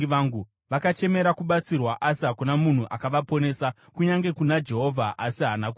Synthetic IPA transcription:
ʋaŋɡu | ʋakat͡ʃe̞me̞ɾakuɓat͡sirwaʔasiɦakunamun̤uʔakaʋapo̞ne̞sa | kuɲaŋɡe̞kunad͡ʒe̞ɦo̞vʱaʔasiɦanaku

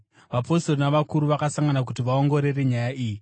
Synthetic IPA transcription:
ʋapo̞storonaʋakuɾuʋakasaŋɡanak̬utiʋao̞ŋɡo̞ɾe̞reɲajaʔiːji

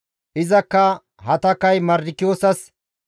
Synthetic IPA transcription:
ʔɪzɐkːɐ | hɐt̪ɐkːɐjmɐɾɪkːɪjoːsɐs

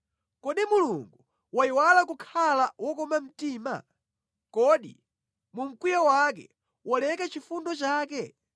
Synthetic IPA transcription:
kɔɗimuluŋɡu | waiwalakukʰalawɔkɔmam̩tiːma̰ | kɔɗḭ | mum̩kwijawak̬ɛ̰ | wʔɔlɛkat͡ʃifundɔt͡ʃaːkɛ

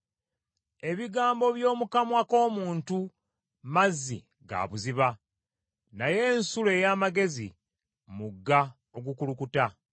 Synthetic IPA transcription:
e̞βiɡaːmbo̞βjo̞ːmukamwako̞ːmuːntu | mazːḭ | ɡa̰βuziβa | naje̞ːnsule̞ːjaːmaɡe̞zḭ | muɡːa | o̞ɡukulukuta

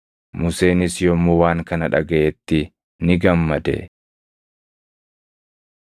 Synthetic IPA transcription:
mʊse̞ːnɪsjɔmːowaːŋkɐnɐᶑɐɡɐʔɛt̪ːɪ | nɪɡɐmːɐd̪ɛ̰

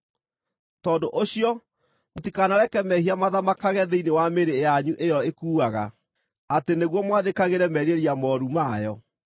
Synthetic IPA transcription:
tɔːdoʔoɕiɔ | motikanaɾɛkɛmɛhiamaðamakaɣɛðeinewameɾejaɲuʔejɔekuːaɣa̰ | ateneɣwɔmwaðekaɣeɾɛmɛɾeɾiamɔɾumajɔ

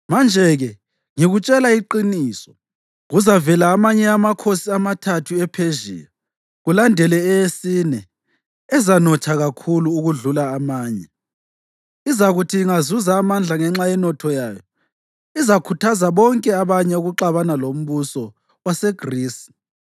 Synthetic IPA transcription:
mand͡ʒʱɛɣɛ | ŋiɣut͡ʃʼɛlaiǃiniːsɔ̥ | ɣuzavɛlaːmaɲɛamakʰosiamatʰatʰuɛpʰeʒḭːja | ɣulandʱɛlɛɛjesinɛ | ɛzanɔt͡ʃʰaɣakʰuluːɣuɮulaːmaːɲɛ | izaɣutʰiːŋazuzaːmand͡ɮʱaŋɛŋ͡ǁajɛnɔtʰɔjaːjɔ | izakʰutʰazaβɔŋkʼɛaβaɲɛuɣuǃaβanalom̩βusɔ | wasɛɡriːs

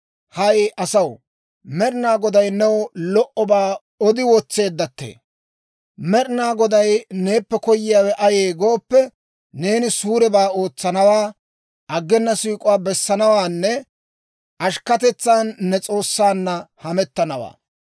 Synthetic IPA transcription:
hɐjʔɐsɐw | mɛɾɪnaːɡɔd̪ɐjnɛwɔlɔʔɔbaː | ɔd̪ɪwɔt͡sːe̞ːd̪ːɐt̪ːḛː | mɛɾnaːɡɔd̪ɐjne̞ːpːɛkɔjːɪjaːwɛʔɐje̞ːɡoːpːɛ | ne̞ːnɪsuːɾɛbaːo̞ːt͡sːɐnɐwaː | ɐɡːɛnːɐsiːkʼʊwaːbɛsːɐnɐwaːnːɛ | ʔɐʃkɐt̪ɛt͡sːaːnːɛt͡sʼo̞ːsːaːnːɐhɐmɛt̪ːɐnɐwa̰ː

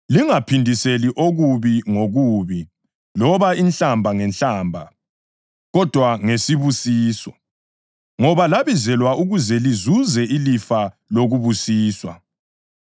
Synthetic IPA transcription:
liŋapʰindʱiseliʔoɣuβiŋoɣuːβi | lɔβainɬambʱaŋɛnɬaːmbʱa | ɣɔd̥ʱwaŋesiβusiːsɔ̰ | ŋɔβalaβizɛlwauɣuzɛlizuzɛʔilifa | loɣuβusiːswa

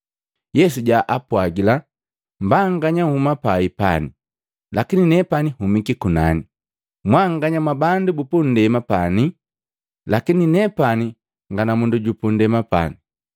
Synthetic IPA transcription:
jɛsuɟaʔapwaɡila | mbaŋɡaɲauhumapaipa̰ni | lakininɛpanihumikikunani | mwaŋɡaɲamwabandubupun̩dɛmapani | lakininɛpani | ŋɡanamunduɟupundɛmapa̰ni

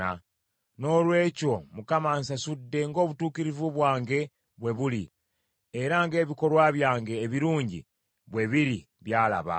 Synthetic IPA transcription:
a̰ | no̞lwe̞ːco̞mukamaːnsasudːe̞ŋɡo̞ːβutuːkiɾivuβwaːŋɡe̞ | βwe̞βuli | eɾaŋɡe̞ːβiko̞lwaβjaːŋɡe̞ːβiɾuːɲɟḭ | βwe̞βiɾi | βjaːla̰βa̰

